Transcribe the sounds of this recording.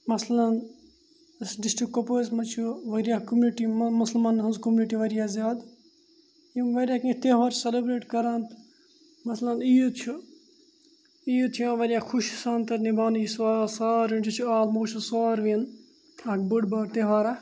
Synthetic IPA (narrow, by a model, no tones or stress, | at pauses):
mɐslɐn | sɖisʈɾikːopoːsmɐt͡ʃʰuʋɐɾijakumuniʈimɐsəlmaːnɦɐnzkomuniʈiʋɐɾijazjaːd̪ | jimʋɐɾjaːkĩt̪eʋaːɾt͡ʃʰselebɾeːʈkɐɾaːnt̪ʰ | mɐslɐnijut͡ʃʰu | ijut̪ʰijãʋɐɾijaːkʰuʃisaːnt̪ɐɾnibʱaːnijsaːsaːɾʋĩnd͡ʒit͡ʃʰuaːlmoːt͡ʃʰusaːɾʋin | aːkbəɖbaːɾt̪eʋaːɾa